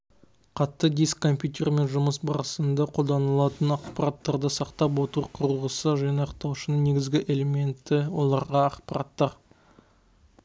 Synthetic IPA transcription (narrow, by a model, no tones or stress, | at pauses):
qʰɑt̪ːəd̪ijskkːo̞mpʲjut̪ʲe̞rme̞nʒʊməsbɑɾəsənd̪ɑqʰo̞lˠd̪ɑnəlˠɑt̪ənɑqpɑɾat̪ːɑɾd̪əsɑqt̪ɑp̬wo̞t̪əɾqʰʊɾəʁəsəʒɑneɑqt̪ɑwʃənəɴne̞ɡʲɪzɡʲɪʔe̞le̞me̞nt̪ːɪwo̞lˠɑɾʁɑɑqpɑɾa̰t̪ːɑɾ